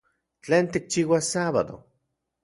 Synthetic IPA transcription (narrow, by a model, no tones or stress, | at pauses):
t͡ɬeːnt̪ik̚t͡ʃiːwasaβa̰ðo̰